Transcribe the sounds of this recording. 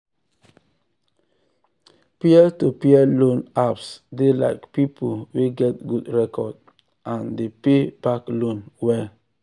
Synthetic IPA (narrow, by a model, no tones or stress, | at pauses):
piɛtupeɛlõnapsdela̰ɪkpipʰoweɡɛt̚ɡudɹɛkʰɔd | ʔãndepeb̥aklõnwɛl